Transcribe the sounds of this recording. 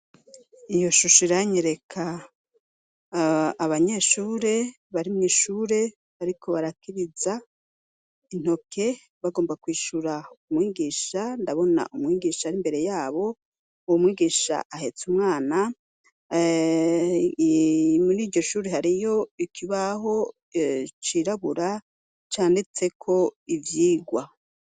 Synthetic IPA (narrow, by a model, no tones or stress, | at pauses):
ijo̞ʃuʃiɾaɲeɾe̞kʰa | βaɲeːʃuːɾe̞ | βaɾimɲiʃuːɾe̞ | aɾikʰo̞βaɾakiɾiza | in̥ho̞kʰe̞ | βaɡo̞ːmbakwiːʃuɾaumŋiːɡiːʃandaβo̞na̰ʔumŋiːɡiːʃaɾimbe̞ɾe̞jaːβo̞ | uwomŋwiːɡiːʃa̰ʔahe̞t͡sumŋaːna | muɾiːɾɟo̞ʃuːɾe̞ɦaɾijo̞ikʰiβaɦo̞ | t͡ʃiɾaβuɾa | t͡ʃaːndit͡se̞kʰo̞ivjiːɡwa